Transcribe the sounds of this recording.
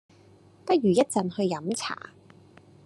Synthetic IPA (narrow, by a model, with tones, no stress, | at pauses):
pɐ˥t̚jyː˨˩jɐ˥t̚t͡sɐ˨nhɵ˧ɥjɐ˨˥mt͡sʰa̰ː˨˩